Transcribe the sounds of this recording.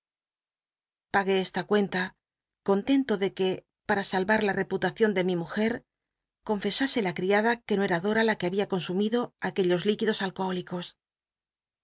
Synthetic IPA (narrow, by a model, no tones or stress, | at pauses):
paɣe̞est̪akwe̞nt̪a | ko̞nt̪e̞nt̪o̞ðe̞ke̞ | paɾasalβaɾlare̞put̪aθjo̞nd̪e̞mimuxe̞ɾ | ko̞ɱfe̞saselakɾiaðake̞no̞e̞ɾaðo̞ɾalakeaβiako̞nsumiðo̞ake̞ʎo̞zlikiðo̞salkooliko̞s